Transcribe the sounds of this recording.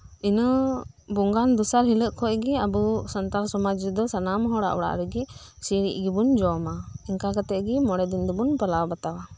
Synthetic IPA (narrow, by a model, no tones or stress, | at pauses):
inə | buŋɡand̪usaɾɦiləʔkʰɔʔɡɛɐbusɐnt̪alsɔmad͡ʒid̪ɔsɐnamɦɔɽa̰ʔwɽa̰ʔɾɛɡɛ | siɾḭʔɡibund͡ʒɔmaiŋkakat̪ɛʔɡimɔɽɛd̪ind̪ɔbunpalawbat̪awa